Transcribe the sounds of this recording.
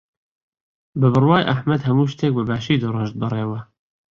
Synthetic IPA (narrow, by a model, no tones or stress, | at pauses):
bɨbɨrwɑːjʔaħmɛd̪hɛmuːʃt̪eːk̚bɨbæːʃiːd̪ɨrəʒt̪̚bɨreːwɛ